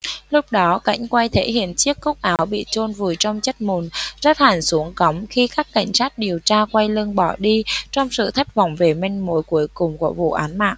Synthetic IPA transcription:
lʊ˦˥k͡p̚ɗɔ˨˦ka̰˧˥˩jŋ̟kwa˧jt̪ʰe˧˥hḭ˧˨ənt͡ɕi˦˥əkːʊ˦˥k͡p̚ʔaː˨˦wɓḭ˧˨t͡ɕo˧nvu˨˩əjt͡ɕɔ˧wŋ͡mt͡ɕə˦˥t̚mu˨˩nzə˦˥t̚haː˨˩nsu˨˦əŋkɔ˨˦wŋ͡mxi˧kaː˦˥kːa˧˩jŋ̟saː˦˥t̚ɗi˨˩əwt͡ɕaː˧kwa˧jlɨ˧əŋɓɔ˧˩ɗi˧t͡ɕɔ˧wŋ͡msɨ̰˧˨t̪ʰa˦˥jk̟̚vɔ̰˧˩wŋ͡mve˨˩mi˧ŋ̟mo˨˦jku˨˦əjkʊ˨˩ŋ͡mku˧˩əvṵ˧˨ʔaː˨˦nma̰ː˧˨ʔ

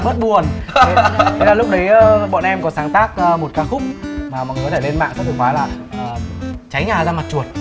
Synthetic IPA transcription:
mə˦˥t̚ɓu˨˩ənʰ˦ | ə˧zaː˧˩lʊ˦˥k͡p̚ɗə˨˦jːɓɔ̰ː˧˨nʔɛ˧mkɔ˨˦saː˨˦ŋt̪aː˦˥k̚ːmo˨˩t̚kaː˨˦xʊ˦˥k͡p̚maː˨˩m̰˨ŋ˨˩kɔ˨˧t̪ʰe˧˩le˧nma̰ː˧˨ŋsə˦˥k̪ʰːkfaː˨˦jlaː˨˩ | ʔəː˨˩t͡ɕa˨˦jɲaː˨˩zaː˧ma˨˩t̚t͡ɕu˨˩ət̚

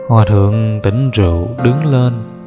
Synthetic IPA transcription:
hwaː˨˩t̪ʰɨ̰˧˨əŋt̪i˧˩ŋ̟zṵ˧˨ɗɨ˨˦ŋle˧n

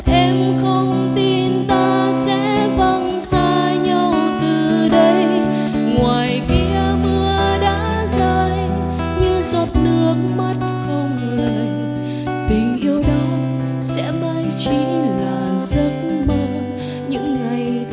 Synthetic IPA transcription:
ʔɛ˧mxə˧wŋ͡m | t̪i˧nt̪aː˧sɛ̰˧˥ɓa˧ŋ | saː˧˩ | ɲə˧wt̪ɨ˨˩ɗə˧j | ŋwaː˨˩jkḭ˧˥əmɨ˧əɗa̰ː˧˥ | zəː˧j | ɲɨ˧zɔ˨˩t̚nɨ˦˥ək̚ma˦˥t̚xə˧wŋ͡m | la˨˧˩ | t̪i˨˩ŋʔi˧əwɗɔ˨˦ | sɛ̰˧˥maː˧jt͡ɕi˧˥laː˨˩zə˧˦˥t̚mə˧ | ɲɨ̰˧˥ŋːa˨˩j

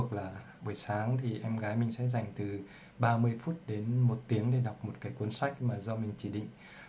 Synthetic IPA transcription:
ək̚laː˨˩ | ɓə˧˩jsaː˨˦ŋt̪ʰi˨˩ʔɛ˧mɣaː˨˦jmï˧ŋ̟sɛ̰˧˥za˨˩jŋ̟t̪ɨ˨˩ | ɓaː˧mɨ˧əjfu˦˥t̚ɗe˨˦nmo˨˩t̚t̪i˨˦əŋɗe˧˩ɗa˨˩wk͡p̚mo˨˩t̚kaː˨˦jkwə˧nsa˦˥jk̚maː˨˩zɔ˧mï˨˩ŋ̟t͡ɕi˧˩ɗḭ˧˨ŋ̟

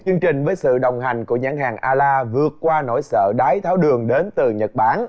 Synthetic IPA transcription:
t͡ɕɨ˧əŋt͡ɕï˨˩ŋ̟vəː˨˦jsɨ̰˧˨ɗə˨˩wŋ͡mɦa˨˩jŋ̟ku˧˩əɲaː˧˥ŋɦaː˨˩ŋʔaː˧laː˧vɨ˨˩ət̚kwaː˧no˧˥˩jsə̰ː˧˨ɗaː˨˦jt̪ʰaː˨˦wɗɨ˨˩əŋɗe˨˦nt̪ɨ˨˩ɲə˨˩t̚ɓaː˨˦n

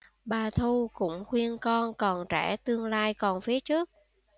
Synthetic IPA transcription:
ɓaː˨˩t̪ʰu˧kʊ̰˧˥ŋ͡mxwi˧ənkɔ˧nkɔ˨˩nt͡ɕɛ˧˩t̪ɨ˧əŋlaː˧jkɔ˨˩nfi˨˦ət͡ɕɨ˦˥ək̚

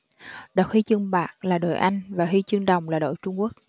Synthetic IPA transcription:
ɗə˨˩k̚hi˧t͡ɕɨ˧əŋɓaː˨˩k̚laː˨˩ɗo˨˩jʔa˧jŋ̟vaː˨˩ɦi˧t͡ɕɨ˧əŋɗə˨˩wŋ͡mlaː˨˩ɗo̰˧˨jt͡ɕʊ˧ŋ͡mku˦˥ək̚

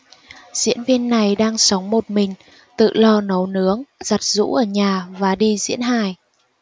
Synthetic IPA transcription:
z̥ḭ˧˥ənvi˧ənːa˨˩jɗaː˧ŋsə˨˦wŋ͡mmo˨˩t̚mï˨˩ŋ̟ | t̪ɨ̰˧˨lɔ˧nə˨˦wnɨ˨˦əŋz̥a˨˩t̚zṵ˧˥ʔəː˧˩ɲaː˨˩vaː˨˩ɗi˧zḭ˧˥ənɦaː˧˨˩j

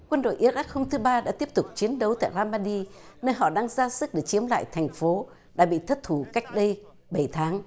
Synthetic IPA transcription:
kwə˧nɗo̰˧˨jʔi˧˥ət̚ʔa˦˥k̚ho˧mt̪ʰɨ˨˦ɓaː˧ɗa̰ː˧˥t̪i˦˥əp̚t̪ʊ˨˩k͡p̚t͡ɕi˨˦ənɗə˨˦wt̪a̰ː˧˨jzaː˧maː˧ɗi˧nəː˧nɦɔ̰˧˨ɗaː˧ŋzaː˧sɨ˦˥k̚ɗe˨˩t͡ɕi˨˦əmla̰ː˧˨jt̪ʰɛ˨˩jŋ̟fo˨˦ | ɗa̰ː˧˥ɓḭ˧˨t̪ʰə˦˥t̚t̪ʰu˧˩ka˦˥jk̟̚ɗə˧j | ɓə˧˩jt̪ʰaː˨˦ŋ

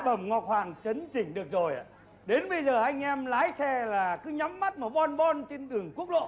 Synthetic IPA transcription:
ɓə˨˧˩mŋɔ˨˩t̚hwaː˨˩ŋt͡ɕə˨˦nt͡ɕï˨˩ŋ̟ɗɨ˨˩ək̚zo˨˩ja̰˧˨ | ɗe˨˦nɓə˧jzəː˨˩ʔa˧jŋ̟ʔɛ˧mlaː˨˦jsɛ˧laː˨˩kɨ˨˦ɲa˨˦mːa˦˥t̚mə˨˧˩ɓɔ˧nɓɔ˧nt͡ɕe˧nɗɨ˨˩əŋku˦˥ək̚lo̰˧˨

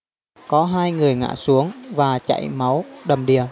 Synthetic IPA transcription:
kɔ˨˦ɦaː˧jŋɨ˨˩əjŋa̰ː˧˨su˨˦əŋvaː˨˩t͡ɕa̰˧˨jma˨˦wɗə˨˩mɗi˨˩ə

